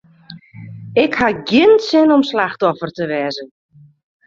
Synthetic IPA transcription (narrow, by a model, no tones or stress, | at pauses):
ɪkhaɡjɪntsɪnɔmslaxtɔfərtəʋɛːzən